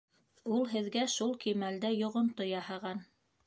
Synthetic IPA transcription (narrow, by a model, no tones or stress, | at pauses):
ulˠɦɘ̆ðɡæʃulˠkimæld̪æjŏʁŏnt̪ojɑhɑʁɑn